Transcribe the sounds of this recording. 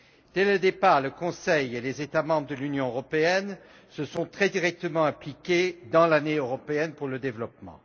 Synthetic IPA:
d̪̥ɛləd̪epaʁləkɔ̃sɛjelezet̪amɑ̃bʁəd̪əlynjɔ̃øʁɔpeɛn | səsɔ̃t̪χɛd̪iʁɛk̚t̪əmɑ̃ɛ̃plikʲed̪ɑ̃laneøʁɔpeɛnpuʁləd̪evlɔpmɑ̰̃

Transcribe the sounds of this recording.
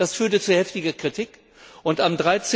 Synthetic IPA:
d̥asfyːɐtət͡suhɛftɪɡɐkʁ̥itʰik | ʔʊntamdʁaɪt͡s

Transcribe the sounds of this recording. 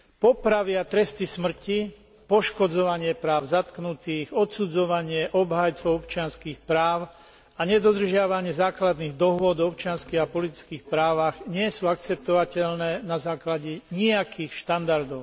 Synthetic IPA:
pɔpɾaʋɪat̪ɾɛst̪ismr̩ci | pɔʃkɔd͡zɔʋaɲɪɛpɾaːʊzat̪knut̪iːɣɔt̪sud͡zɔʋaɲɪɛʔɔbɦajt͡sɔʊɔpt͡ʃɪanskiːxpɾaːʊ | aɲɛd̪ɔd̪r̩ʒɪaʋaɲɪɛzaːklad̪niːɣd̪ɔɦʊɔd̪ɔpt͡ʃɪanskiːɣapɔlit̪i̥t͡skiːxpɾaːʋaɣɲɪɛsuːak̚t͡sɛp̚t̪ɔʋacɛʎnɛːnazaːklaɟɛɲiakʰiːxʃt̪and̪aɾd̪ɔʊ

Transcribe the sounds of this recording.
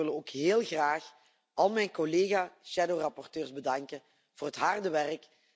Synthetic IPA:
ɪləoːkɦeːlˠɣraːx | ɑlˠmɛjnkoleːɣaʃɛdowrɑpɔrtøːrzbədɑŋkə | v̥ʊːrɦətɦardəʋɛrək

